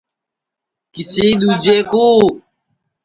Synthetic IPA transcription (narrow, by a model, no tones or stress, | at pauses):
kisiːd̪ud͡ʑeːkuː